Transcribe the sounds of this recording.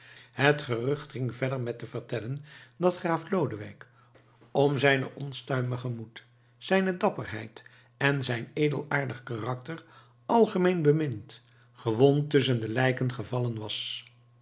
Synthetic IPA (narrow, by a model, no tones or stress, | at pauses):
hətχərɵχtχɪŋvɛdəɹmɛtəvərtɛləndɑtχaːflowdəʋɛ̰jk | ɔmzɛjnə̰ʔɔnstœɥməχəmut | z̥ɛjnədɑpərɦɛ̰jt | ɛnzɛjnejdəlˠaːɹdəχkarɑktər | ʔɑlˠχəmejnbəmɪnt | χəʋɔntɵs̬əndəlɛjkənχəvɑlənʋɑs